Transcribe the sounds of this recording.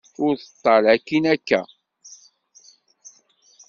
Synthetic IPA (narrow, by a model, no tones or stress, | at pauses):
ʊɾθə̥t̪ˤːɑlækːinækːæ